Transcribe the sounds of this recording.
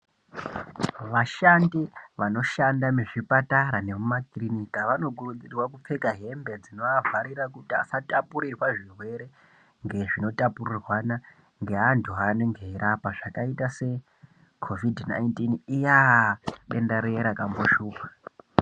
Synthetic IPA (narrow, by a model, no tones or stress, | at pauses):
ʋaʃandiʋano̞ʃandameʐipataɾane̞mumakrinikaʋano̞kurud͡zirwakup͡fe̞kaɦe̞mbe̞d͡zino̞avaɾiɾakutia̰satapuɾirwaʐirwe̞ɾe̞ | ŋɡe̞ʐino̞tapurirwana | ŋɡe̞ɦantʰuɦaneŋɡeiɾapaʐakaitase̞ | kʰo̞vidna̰intinijaɗe̞ndaɾeɾakamboʃuːpḁ